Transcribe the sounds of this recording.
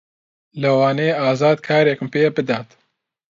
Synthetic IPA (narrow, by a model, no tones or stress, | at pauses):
lɐwɑːneːɑːzɑːd̪kʰɑːɾjekɨmpeːbɨd̪ɑːt̪